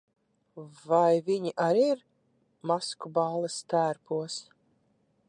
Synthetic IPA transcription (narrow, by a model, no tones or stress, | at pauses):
vajviɲiʔaɾiɾ | maskubaːlˠɨst̪æːɾpʰuɔs